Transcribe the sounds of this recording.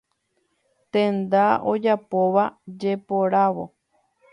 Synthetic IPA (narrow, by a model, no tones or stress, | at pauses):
t̪ẽnd̪ao̞̰d͡ʒapoʋad͡ʒe̞poɾaʋo̞